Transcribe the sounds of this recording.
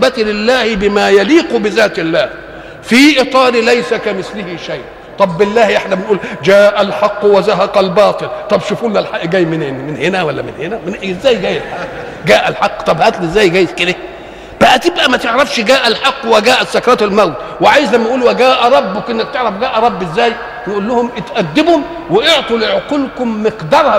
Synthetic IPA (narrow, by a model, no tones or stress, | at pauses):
bæt̪lɪlːæːhɪbɪmæːjæliːqubɪzæːt̪ɪlːæːh | fiːʔɨt̪ˤɑːɾilæjsækæmɪθlɪhiʃæjʔ | t̪ˤɑbːɪlːæːhʔeħnæbɪnʔuːld͡ʒæːʔælħɑqːwæzaɦɑqælbɑːt̪ˤɨlt̪ˤɑbʃufʔulːælħaʔɡæːjmɪnmɪnhenæwælːæ̰mɪnhenæmɪnʔɪzːæːjɡæːjelħa | ɡæːʔælħɑqːt̪ˤɑbhæːk̪lezːæːjɡæːjet̪ked̪æ | b̥æhæt̪ebʔæmæt̪eʕɾˤɑfʃɡæːʔælħɑqːwæɡæːʔæt̪sækɑɾˤɑːt̪ælmæwt̪ | wɪʕaːjɪzlæmːæʔuːlwæɡæːʔæɾˤɑbːʊkʔenːæk̚t̪eʕɾˤɑfɡæːʔæɾˤɑbːezːæːj | wjeʔulːʊhʊmʔɪt̪ʔæd̪ːɪbhʊm | wɪʔeʕt̪ˤulʕoqulkʊmːɪqd̪ɑːɾˤhɑ